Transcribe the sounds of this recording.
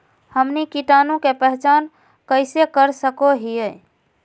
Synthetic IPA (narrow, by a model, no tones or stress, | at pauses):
həmnikiʈanũkepəɦt͡ʃan | kəɪsekəɾsəkoɦijə